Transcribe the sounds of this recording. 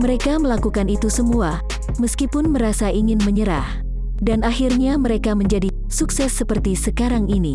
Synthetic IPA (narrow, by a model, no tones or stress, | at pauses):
məɾekaməlakukanit̪usəmua | məskipʊnməɾasaʔiŋɪnməɲəɾa̰h | danahirɲaməɾekaməɲd͡ʒadi | suksɛsːəpərt̪isəkaɾaŋini